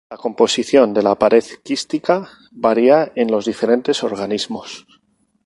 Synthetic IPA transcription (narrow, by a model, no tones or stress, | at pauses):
lako̞mpo̞siθjo̞nd̪e̞lapaɾe̞ðkist̪ika | βaɾiae̞nlo̞zðife̞ɾe̞nt̪e̞so̞ɾɣ̞anizmo̞s